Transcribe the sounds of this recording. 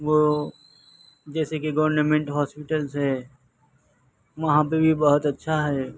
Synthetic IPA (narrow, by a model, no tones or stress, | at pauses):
ʋo | d͡ʒɛːsekeɡɐʋəɾnəmẽɳʈɦɔːspɪʈəlsɦɛː | ʋɐɦãpebʱibɐɦʊt̪ɐtːʃʰaɦɛː